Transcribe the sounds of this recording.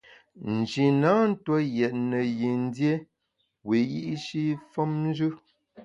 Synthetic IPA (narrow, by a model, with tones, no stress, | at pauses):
n̩˨d͡ʒi˨na˨˦n̩˦twɔ˦jɛ˨t̚nə˨ji˨n˦dje˦ | we˨ji˦ʔʃi˦fɔ˦mn˦d͡ʒʉ˦